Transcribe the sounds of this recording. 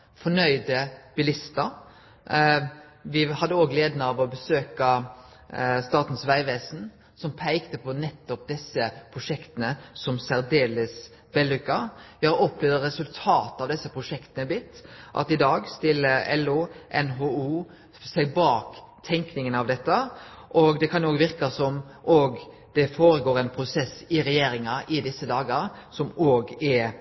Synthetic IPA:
fɔnœʏd̪əb̥ɪlɪst̪əɾ | ʋɪhɑd̪ːəoːɡleːd̪nəɑʋɔbəsøːkɑ | st̪ɑːt̪n̩sʋæɪʋeːsn̩ | sɔmpʰæɪkt̪əpʰɔnɛt̪ːɔp̚d̪ɛsːəpʰɾʊʂɛkt̪ənəsɔmsæɾd̪eːləs | ʋɛlːʉkːəjɔpleːʋəɾɛsʉlt̪ʰɑːt̪ɑʋd̪ɛsːəpʰɾʊʂɛkt̪ənəbɪt̪ːʔɑ̰t̪ɪd̪ɑːɡst̪ɪləɛlːuʔɛnɦoːuː | sæɪbɑːk | t̪ʰɛŋknɪŋənɑʋd̪ɛt̪ːəʔɔɡd̪ɛkʰɑnjoːɡʋɪɾkɑsɔm | ʔoːɡ | d̪̥ɛfoːɾəɡoːɾɛɪnpʰɾʊsɛsɪɾɛjeːɾɪŋɑʔɪd̪ɪsːəd̪ɑːɡəɾsɔmoːɡɛ

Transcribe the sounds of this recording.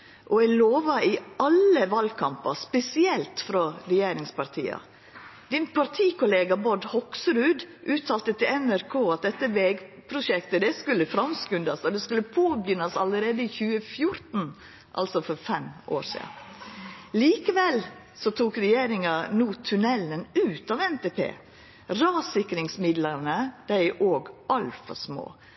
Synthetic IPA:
ʔɔɛɪloːʋɑɪɑləʋɑlkʰɑmpɑspɛsɪɛlt̪fɾɔɾɛjeːɾɪŋspɑɾt̪ʰḭːɑ̰ | d̪̥ɪnpʰɑɾt̪ʰiːkʰʊleːɡɑbɔɖhɔksɾʉːd̪ʔʉːt̪ʰɑːlt̪ət̪ʰɪlɛnæɾkʰoːɑt̪̚d̪ɛt̪ːəʋɛːɡpʰɾʊʃɛkt̪əd̪ɛskʉlːəfɾɑmskʉnd̪ɑsɔd̪ɛskʉlːəpʰoːbjʏnɑsɑ̰ləɾeːd̪əɪçʉːəfjʊɾt̪n̩ | ʔɑ̰lsɔfɔɾfɛmʔo̰ːɾʂḭːɑ̰n | liːkəʋɛl | sɔt̪ʰuːkɾɛjeːɾɪŋɑnuːt̪ʰʉnɛlənʉːt̪ɑʋɛnt̪eːpʰḛː | ɾɑːsɪkɾɪŋsmɪd̪ləɾnəd̪̥æɪʔoːɡʔɑlfɑ̰smo̰ː

